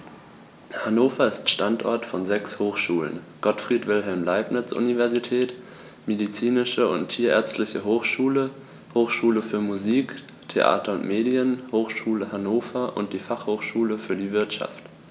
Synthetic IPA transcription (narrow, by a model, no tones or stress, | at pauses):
hanoːfɐɪstʃtantʔɔ̰ɐtfɔnzɛkshoːxʃuːlə̰nɡ̥ɔtfʁ̥iːtv̥ɪlɦɛlmlaɪpnɪt͡sʔṵnivɛɐzitʰɛːt | medit͡siːnɪʃəʊntʰːiːɐʔɛ̰ːɐt͡stlɪçəɦoːxʃuːlə | hoːxʃuːləfyːɐmuziːk | tʰeʔa̰ːtʰɐʊntmeːdiənhoːxʃuːləhanoːfɐʔʊ̰nt̚d̥iːfaχhoːxʃuːləfyːɐdiːvɪɐtʃa̰ft